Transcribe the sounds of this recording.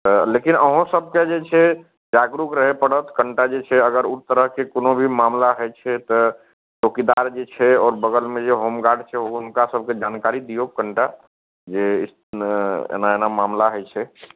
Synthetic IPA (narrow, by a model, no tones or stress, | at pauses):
t̪əlekinəɦõsəb̚ʱked͡ʒet͡ʃʰɛ | d͡ʒaɡɾukɾəɦepəɽət̪kəɳʈad͡ʒet͡ʃʰɛəɡəɾut̪ːəɾəɦkekonobʱimamlaɦəjt͡ʃʰɛt̪ɔ | ʈokid̪aɾd͡ʒet͡ʃʰɛɔːɾbəɡəlmed͡ʒeɦomɡaɾɖt͡ʃʰɛɦounkasəb̚ʱked͡ʒankaɾid̪ijokəɳʈa | d͡ʒeḭs | ḛnaenamamlaɦəjt͡ʃʰɛ